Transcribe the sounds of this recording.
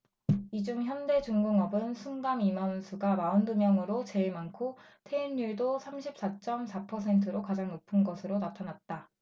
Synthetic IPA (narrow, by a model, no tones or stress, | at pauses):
id͡ʑuŋçjʌnde̞d͡ʑuŋɡɯŋʌbɯnsʰuŋɡamimʌnsʰuɡamaɯndumjʌŋɯɾot͡ɕe̞ɭmankʰo | tʰe̞inːuɭdosʰamɕʰip̚s͈at͡ɕ͈ʌmsʰapʰʌsʰe̞ntʰɯɾokad͡ʑaŋnopʰɯnɡʌsʰɯɾonatʰanat̚t͈a